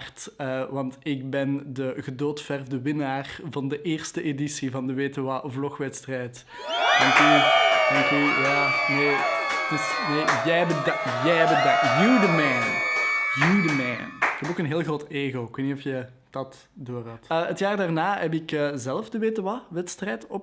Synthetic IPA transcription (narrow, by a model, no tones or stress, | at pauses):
rtəʋɑntɪk̚bɛndəɣədoːtfɛrvdəʋɪnaːrvɑndəʔeːrstəʔedisivɑndəʋeːtəwavlɔxʋɛtstrɛːjt | d̥ɛŋkydɛŋkyjaːneːd̥ʏsneːjɛjbədjɛjɛbədajuwdəmɛnjywdəmɛnɪkɦɛpoːkənɦeːlˠɣroːteːɣoːɪkweːtnitɔfjə | d̥ɑt | doːrɦɑtəətjaːrdaːrnaːɦɛp̬ɪkəzɛləfdəʋeːtəwaʋɛtstrɛjtɔp